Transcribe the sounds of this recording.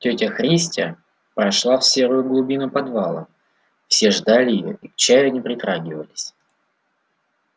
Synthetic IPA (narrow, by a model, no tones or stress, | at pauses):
tʲɵtʲəxɾʲisʲtʲə̰ | pɾɐʂlˠafsʲe̞ɾʊjʊɡlˠʊbʲinʊpɐd̪valˠə̰ | fsʲe̞ʐd̪alʲɪɪjo̰ʔikt͡ɕæjʊnʲɪpɾʲɪt̪ɾaɡʲɪvəlʲɪsʲ